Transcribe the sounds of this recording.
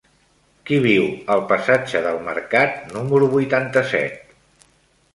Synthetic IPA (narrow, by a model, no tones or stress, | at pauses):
kiβ̞iwəlˠpəsad͡ʒəðəlˠmə̰ɾkat̪numəɾuβujt̪ant̪əsɛ̰t̪̚